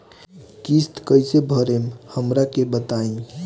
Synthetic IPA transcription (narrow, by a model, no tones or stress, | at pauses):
kist̪kəjsebʱəɾemhəmɾakebət̪aĩ